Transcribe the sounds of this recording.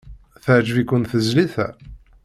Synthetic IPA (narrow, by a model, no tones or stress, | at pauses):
θəʕd͡ʒvikʷːʊnθəzliθæ̰